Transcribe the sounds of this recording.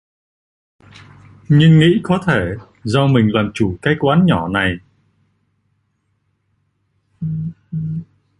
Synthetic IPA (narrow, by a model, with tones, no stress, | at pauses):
ɲɨ˧ŋːḭ˧˥kɔ˨˦t̪ʰe˧˩ | zɔ˧mï˨˩ŋ̟laː˨˩mt͡ɕu˧˩kaː˨˦˥jkwaː˨˦nɲɔ˧˩na˨˩j